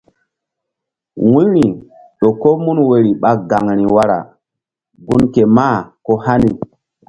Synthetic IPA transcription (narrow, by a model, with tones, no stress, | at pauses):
wũ˦ɾi˨ | ɗo˨ko˦mu˦nwe˨ɾi˨ɓa˦ɡa˨ŋɾi˨wa˦ɾa̰˨ | ɡu˦nke˨ma˦˨ko˦ha˦ni˨